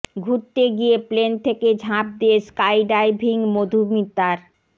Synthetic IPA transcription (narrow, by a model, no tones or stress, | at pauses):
ɡʱuʈt̪ːeɡijeplent̪ʰeked͡ʑʱãp̚d̪ieskajɖajbʱiŋmod̪ʱumit̪ːaɾ